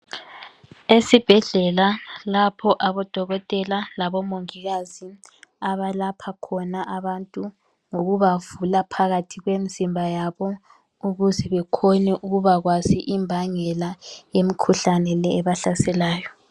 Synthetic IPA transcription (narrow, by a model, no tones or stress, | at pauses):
esib̥ʱɛɮɛlalapʰɔʔaβɔd̥ʱɔɣɔtʼɛlalaβɔmoŋiɣazi | aβalapʰakʰɔnaʔaβantʼu | ŋoɣuβavulapʰaɣatʰiɣwemizimbʱajaβɔ | uɣuzɛβɛkʰɔnɛʔuɣuβaɣwaziʔimbʱaŋɛlajemikʰuɬanɛlɛːβaɬasɛlaːjɔ